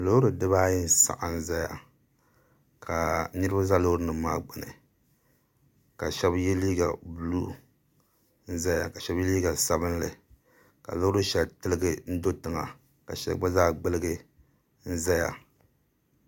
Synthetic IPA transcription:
lo˦ɾɨ˨dɨ˦βa˦ji˦n˦sa̰˨ʔa˨n̩˦za˦ja̰˨ | kʰa˨nɨ˦ɾa˦za˦lo˦ɾɨ˨nɨ˨maː˦ɡ͡bɨ˨nɨ̰˨ | ka˨ʃɛ˦bjɛ˦liː˦ɡa̰˨blu˦ | n̩˦za˦ja˨ka˨ʃɛ˦bjɛ˦liː˦ɡa˨sa˦bɨ˦n˦lɨ˨ | ka̰˨lo˦ɾɨ˦ʃɛ˨ltɨ˦lɨ˦ɡɨ˦n̩˦do˦tɨ˨ŋa̰˨ | ka˨ʃɛ̰˦ba˦zaː˦ɡ͡bɨ˦lɨ˦ɡɨ˦ | n̩˦za˦ja̰˨

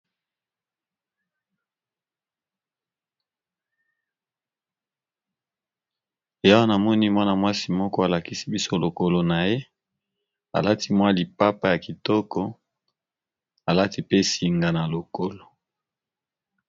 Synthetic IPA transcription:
e˨ja˦wa˦na˨mɔ˦ni˦mwa˦na˨mwa˦si˨mɔ˦kɔ˦a˨la˨ki˦si˦bi˦so˦lo˨ko˨lo˨na˨je˦ | a̰˨la˦ti˦mwa˦li˨pa˦pa˦ja˨ki˨tɔ˦kɔ˦ | a˨la˦ti˦pe˦si˨ŋɡa˨na˨lo˨ko˦lo˨

